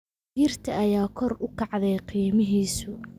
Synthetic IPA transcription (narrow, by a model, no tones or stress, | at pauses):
jɪrt̪ʰɐʔɐjaːkʰɔrʊkʰɑʕðɛjqiːmɪɦiːsʊ